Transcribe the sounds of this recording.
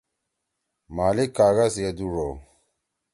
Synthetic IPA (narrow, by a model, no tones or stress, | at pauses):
malikːaɣasjeduɾo